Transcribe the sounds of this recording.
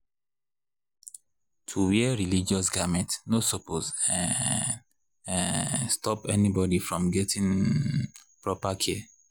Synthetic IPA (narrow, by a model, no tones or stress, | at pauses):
tʰuwiɛɛɹilid͡ʒɔs̬ɡavmɛ̃ntnosopʰozɛ | stɔpɛnibɔdifɹɔ̃mɡɛtĩn | pɹɔpakʰɛ